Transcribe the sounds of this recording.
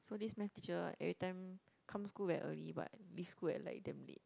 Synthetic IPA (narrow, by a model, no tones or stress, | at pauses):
sodismɛ̃ft̪it͡ʃəɛ̰ɹitãjm | kʰãmskuwɛʔəliba̰t̚lifskuɛ̰tlaɪk̚dɛ̃mlḭt̚